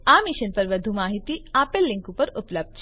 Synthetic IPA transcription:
amiʃənpɐɾʋəd̪ʱumaːɦit̪iapelːɪ̃ŋkupəɾʊpləb̚d̪

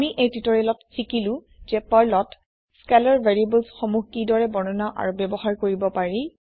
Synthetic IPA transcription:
amiʔejtitɔɹɛlɔtsikilʊ̃ | zɛpaɹlɔt | skɛlaɹvʱeɹiebəlsxɔmuxkidɔɹɛbɔnɔnaʔa̰ɹubɛbɔhaɹkoɹibɔpaɹi

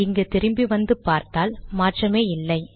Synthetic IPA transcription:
ɪŋɡɐt̪ɪɾɯmbiʋɐnd̪ɯpaːɾt̪aːlmaːʈrɐmeːɪlːɐɪ

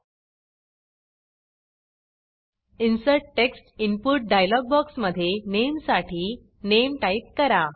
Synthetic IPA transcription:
insəʈ̚ʈeksʈimpuʈ̚ɖajlɔɡ̚bɔksməd̪ʱːjenemsaʈʰiː | nemʈaip̚kəɾa

